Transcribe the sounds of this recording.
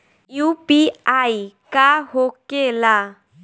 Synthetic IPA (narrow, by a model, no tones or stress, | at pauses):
jupiajkaɦokːela